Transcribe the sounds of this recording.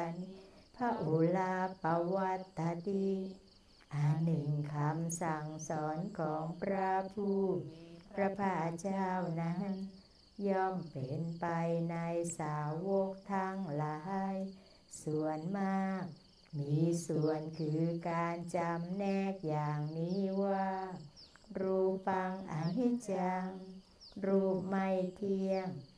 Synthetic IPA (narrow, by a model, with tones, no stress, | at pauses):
npʰa˦˧ʔo˨˦laː˧pa˧wa˧t̪ːa˧t̪i˧ | ʔaː˨˧˩nɯ˨˩ŋkʰa˧msa˨˩ŋsɔː˩˦nkʰɔː˩˦ŋpɾa˧pʰuː˥˩pɾa˧pʰaː˧˩t͡ɕaː˥˩wna˦˥˧ | jɔː˧˩mpe˨˩˦npa˧jna˧jsaː˨˦wo˧k̚t̪ʰa˧˥ŋla˨˧˩ɦa˧j | su˨˩˦ənmaː˧˥˧k̚ | miː˧su˨˩ənkʰɯː˧˩kaː˧nt͡ɕa˧mnɛː˧˩k̚jaː˨˩ŋniː˦˥waː˧˩ | ɾuː˧pa˧ŋʔa˧ɦi˧˥t͡ɕa˧ŋ | ɾuː˧˩ma˧˩jt̪ʰi˧əŋ